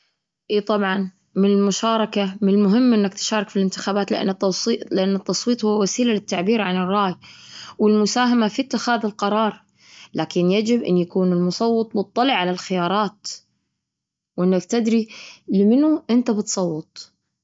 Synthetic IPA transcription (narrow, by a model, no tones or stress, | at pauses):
ʔiːt̪ˤɑbʕɑn | mɪnɪlmʊʃaːɾˤɑkamɪnɪlmʊɦɪmːʔɪnːakt̪ʃaːɾˤɑkfilɪnt̪ɪxaːbaːt̪lɪʔa̰nːat̪ːɑsiːlɪʔanːɪt̪ːɑsˤwiːt̪ˤhʊwːawasiːlalɪt̪ːaʕbiːɾʕanɪrˤːɑːjwɪlmʊsaːɦamafit̪ːɪxaːðɪlqɑɾˤɑːɾˤ | lʔaːkɪnjad͡ʒɪbʔɪ̰nːjakuːnɪlmʊsˤɑwːɨt̪ˤmʊt̪ˤːɑlɪʕalalxɪjɑːɾˤɑːt̪ | wʔɪnːakt̪ɪd̪ɾilɪmɪnuʔɪnt̪abɪt̪sˤɑwːɨt̪ˤ